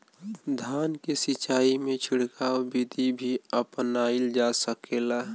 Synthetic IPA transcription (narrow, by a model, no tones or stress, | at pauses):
d̪ʱaːnkesɪt͡ʃaːimẽt͡ʃʰɪɽkaːobid̪ʱibʱiəpnaild͡ʒasəkeːla